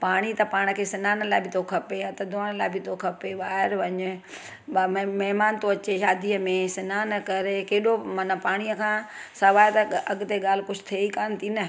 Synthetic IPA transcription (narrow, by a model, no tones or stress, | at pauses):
paːɽ̃it̪ɐpaːɽ̃ə̆kʰeːsɪnaːnəlaːɪbʱɪt̪ʰokʰɐpeãːt̪ɐd̪ʱoːɽ̃əlaːɪbʱɪt̪ʰokʰɐpeʋaːɦɪɾʋɐɲʊ̆ | mɐɦmaːnt̪oɐt͡ɕeʃaːd̪iəmẽsɪnaːnɐkɐɾekeːɗomɐnəpaːɽ̃iːəkʰãːsɐʋaːɪt̪ɐɐɠʊt̪eɠaːl̤ɪkʊd͡ʑʰʊ̥t̪ʰeːikaːnɪt̪ʰinɐ